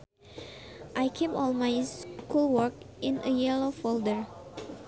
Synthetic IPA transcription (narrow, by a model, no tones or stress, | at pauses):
ʔajkʰipɔ̰lˠmajskulˠwəɹkɪ̃nʔəjɛlofoldəɹ